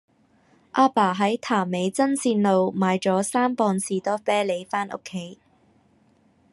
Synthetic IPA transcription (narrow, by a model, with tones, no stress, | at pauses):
ʔaː˧paː˨˩ɦɐ˨˥jt̪ʰaː˨˩me˨˧jt͡sɐ˥nsiː˧nlo˨˧wmaː˨˧jt͡ʃɔː˨˥saː˥mpɔː˧nsiː˨t̪ɔː˥fɛː˥le˨˧jfaː˥nʔo̰˥kʰːe˨˥j